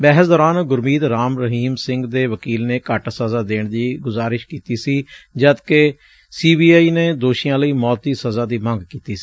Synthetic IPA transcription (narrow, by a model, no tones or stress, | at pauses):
bɛːɦəsd̪ɔːɾaːnɡʊɾmiːd̪ɾaːmɾəɦiːmsɪ̃ŋɡd̪eːʋəkiːlneːkəʈsəzaːd̪eːɳd̪iːɡʊzaːɾɪʃkiːt̪iːsiːd͡ʒəd̪ke | siːbiːaːiːneːd̪oːʃijãːləiːmɔːt̪d̪iːsəzaːd̪iːmə̃ŋɡkiːt̪iːsiː